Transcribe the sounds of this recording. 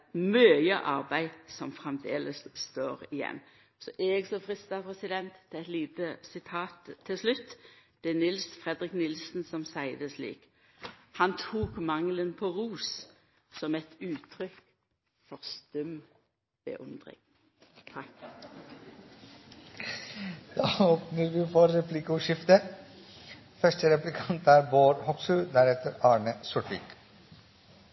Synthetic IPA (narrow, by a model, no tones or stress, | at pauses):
mœːjəʔɑʁbæɪsɔmfɾɛmd̪ḛːləsst̪oːʁɪjɛ̰nː | sɔʔɛɡsɔfʁɪst̪ɑpʰʁɛsɪd̪ɛnt̪ʰːɪɛt̪liːt̪əsɪt̪ʰɑːt̪ʰːɪlslʉt̪ːd̪̥ɛnɪlsfʁɛd̪ʁɪknɪlsnsɔmsæɪd̪əslḭːk | hɑnt̪ʰuːkmɑŋlənpʰɔʁuːs | sɔmɛt̪ʉːt̪ʰʁʏk | fɔʁst̪œm | b̥ə̰ʔʉ̰nd̪ʁɪ̰ŋʰ | d̪̥ɑːoːpnəɾʋiːfɔɾɾɛplɪkʊʂɪft̪ə | fœʂʈəɾɛplɪkʰɑnt̪ʰæːɾboːɾhɔksʉld̪æɾɛt̪əɾɑːɳəsʊʈɪ̰k